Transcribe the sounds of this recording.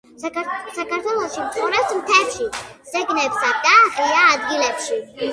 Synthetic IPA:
sakaɾt̪ʰwɛlˠɔʃimt̪sχʼɔɾɛpsmt̪ʰɛɾʃiz̥ɛɡnɛpsaɡ̪aχiaːd̪ɡilɛpʃi

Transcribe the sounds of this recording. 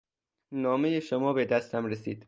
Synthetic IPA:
nɒːme̞jeʃomɒːbe̞d̪æst̪ʰæmɾesiːd̪̥

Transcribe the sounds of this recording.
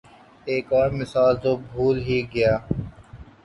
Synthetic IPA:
eːkɔːɾmɪsaːlt̪oːbʱuːlɦiːɡɪjaː

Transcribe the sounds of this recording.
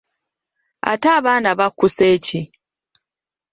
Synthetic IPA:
a̰taːβaːnaβakːuseːci

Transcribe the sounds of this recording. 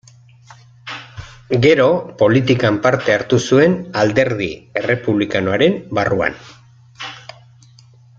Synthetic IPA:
ɡe̞ɾo̞po̞lit̪ikampaɾt̪e̞aɾt̪usue̞nald̪e̞ɾðie̞re̞puβlikanoaɾe̞mbarua̰n

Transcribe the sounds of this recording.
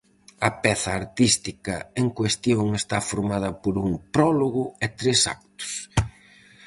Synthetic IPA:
ɐpɛθɐːɾt̪ist̪ikɐ̰eŋkwest̪joŋest̪afoɾmað̞ɐpoɾuŋpɾɔloɣʊet̪ɾesa̰k̚t̪ʊ̥s

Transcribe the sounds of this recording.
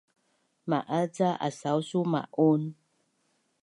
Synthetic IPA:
maʔat͡saa̰sawsuma̰ʔon

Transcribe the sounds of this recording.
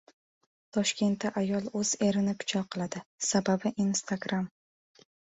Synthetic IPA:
t̪ʰɒʃkʲʰe̞nt̪ːaʔajɒlˠɵz̥e̞ɾɪnɪpʰʊ̥t͡ʃʰɒlqʰɨlˠad̪ɪsababɪʔinst̪ʰaɡɾam

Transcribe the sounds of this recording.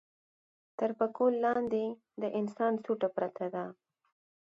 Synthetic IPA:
t̪əɾpəkolːɑnd̪e | d̪əʔɪnsɑnsuʈapɾat̪ʰad̪a

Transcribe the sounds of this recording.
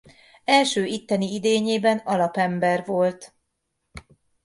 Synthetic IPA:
ɛlʃøːʔit̪ːɛniid̪eːɲeːbɛnɒlɒpɛmbɛrvo̞lt̪

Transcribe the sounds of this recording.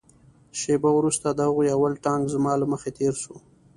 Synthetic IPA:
ʃebawɾust̪ad̪əhaɣojawəlʈɑŋɡzmɑləməxet̪eɾʃo

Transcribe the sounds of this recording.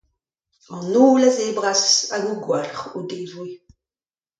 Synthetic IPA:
ɑnuːlazebʁasaɡuɡwɛlχṵdeːvwi

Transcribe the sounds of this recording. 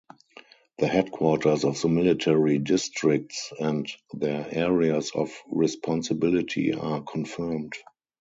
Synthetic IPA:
ðəhɛdkʰwɔtʰə˞sɔfðəmɪlɪtʰɛɹidɪstɹɪk̚tsɛ̃ntðɛʔɛɹiasɔ̰fɹispʰɔ̃nsəbɪlɪtʰḭa̰kʰɔ̃nfɜ˞mt

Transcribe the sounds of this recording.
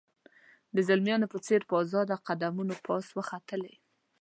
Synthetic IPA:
d̪əzalmjɑnopət͡seɾpəɑzɑd̪aqad̪amunopʰɑswəxat̪əle

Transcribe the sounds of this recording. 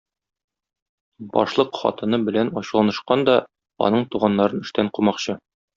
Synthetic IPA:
bɒ̰ʃlˠɤqχɒ̰t̪ɤ̆nɤbɘ̆lænɒɕlˠɑnɤ̆ʃqɑnd̪ɒ | ɒ̰nɤɴt̪uʁɑnːɑɾɤnɘ̆ʃt̪æɴqumɑqɕɤ

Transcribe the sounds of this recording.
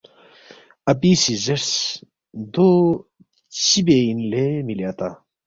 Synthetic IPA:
ɐpiːsizeʈs | d̪o | t͡ɕibeinlemiljaːt̪a

